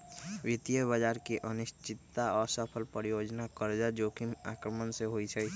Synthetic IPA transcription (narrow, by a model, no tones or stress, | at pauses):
ʋit̪ijəbəd͡ʒaːɾkiʔənɪʃt͡ʃɪt̪ːaɔːɾsəpʰəlpəɾijod͡ʒnakəɾd͡ʒad͡ʒoːkima̰kɾəmənseɦoit͡ʃʰə